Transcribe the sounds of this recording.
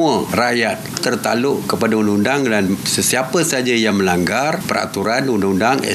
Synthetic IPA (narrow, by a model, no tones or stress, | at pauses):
ərajat̪̚ːərt̪alʊʔkəpadaundaŋundaŋdansəsiapəsad͡ʒajaŋmə̃laŋɡarpəɾa̰t̪uɾanundaŋundaŋɛ̰